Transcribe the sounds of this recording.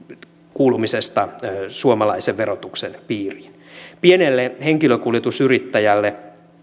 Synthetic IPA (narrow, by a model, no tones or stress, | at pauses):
kuːlumisest̪ɑsuomɑlɑiseʋʋeɾot̪uksenpiːrinpienelːeheŋkiløkuljet̪usyrit̪ːæjælːe